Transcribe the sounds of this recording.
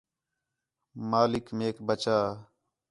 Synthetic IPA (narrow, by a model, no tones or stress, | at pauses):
maːlɪkmeːkbət͡ʃaː